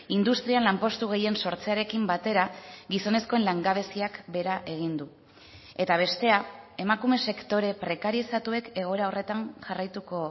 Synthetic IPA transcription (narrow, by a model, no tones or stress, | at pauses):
ind̪ust̪ɾianlampo̞st̪uɣ̞e̞je̞nso̞ɾt͡se̞aɾe̞kimbat̪e̞ɾaɡiso̞ne̞sko̞e̞nlaŋɡaβ̞e̞siakbe̞ɾaʔe̞ɣ̞ind̪u | e̞t̪aβ̞e̞st̪e̞ae̞makume̞se̞kt̪o̞ɾe̞pɾe̞kaɾiesat̪ue̞ke̞ɣ̞o̞eɾao̞re̞t̪anʝarajt̪uko̞